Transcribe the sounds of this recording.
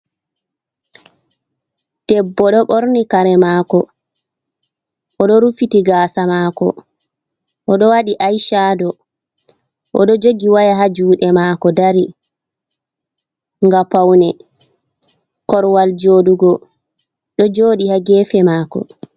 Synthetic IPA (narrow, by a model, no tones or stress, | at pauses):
tɛbːɔɗɔɓoɾnikaɾɛmakɔ | ʔɔɗɔɾufitiɡaːsamaːkɔ̰ | ʔɔɗɔwaɗiʔajʃadɔ | ʔɔɗɔd͡ʒoɡiwajaɦad͡ʒuːɗɛmakɔdaɾi | ŋɡapawnɛ | kɔɾwald͡ʒoːduɡɔ | ɗɔd͡ʒoːɗihaɡɛːfɛmaːkɔ̰